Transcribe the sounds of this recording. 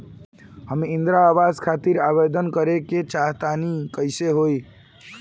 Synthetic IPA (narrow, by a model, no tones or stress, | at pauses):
həmind̪ɾaːbad͡ʒkʰat̪iɾaβed̪ənkəɾeket͡ʃaɦt̪anikəjseɦoj